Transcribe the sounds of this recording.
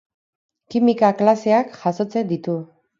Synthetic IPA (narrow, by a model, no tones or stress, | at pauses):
kimikaklase̞akʝaso̞t͡se̞d̪it̪u